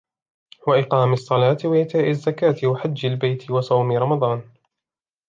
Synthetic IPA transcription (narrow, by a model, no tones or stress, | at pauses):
waʔɪqɑːmɪsˤːɑlɑːt̪ɪwaʔɪt̪aːʔɪzːakaːt̪ɪwaħad͡ʒːalbajt̪ɪwɑsˤɑwmɪɾˤɑmɑd̪ˤɑːn